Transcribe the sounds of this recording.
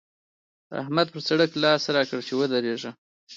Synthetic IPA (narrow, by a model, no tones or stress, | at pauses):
a̰hmad̪̚pəɾsaɽəklɑsɾɑkəɽt͡ʃewəd̪əɾeʒə